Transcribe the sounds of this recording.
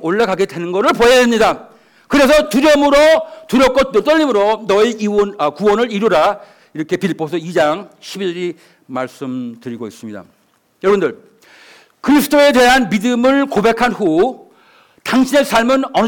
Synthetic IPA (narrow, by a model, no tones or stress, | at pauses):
oɭːaɡaɡe̞dwe̞nɯnɡʌɾɯɭpoedemɲida | kɯɾe̞sʰʌtuɾjʌmɯɾotuɾjʌk͈ʌɯt͈ʌʎːimɯɾonʌiiʌnʌkuwʌnɯɾiɾuɾa | iɾʌkʰe̞piɭpʰosʰʌid͡ʑaŋɕʰibid͡ʑʌɾi | maɭs͈ɯmtɯɾiɡois͈ɯmɲida̰ | jʌɾʌbɯndɯɭ | kɯɾisʰɯtʰoe̞de̞ɦanmidɯmɯɭkobe̞kʰanɸu | taŋɕʰines͈ʰaɭmɯnʌn